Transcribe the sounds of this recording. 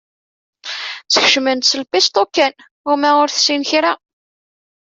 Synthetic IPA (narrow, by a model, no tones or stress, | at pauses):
t͡sːə̥çəʃmənt̪səlpist̪ˤokːæn | ʊɾmæʊɾθsinçɾa